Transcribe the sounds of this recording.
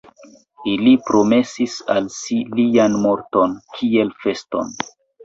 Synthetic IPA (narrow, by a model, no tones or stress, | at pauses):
ilipɾo̞me̞sisalsilianmo̞ɾto̞nkʰie̞lfe̞sto̞̰n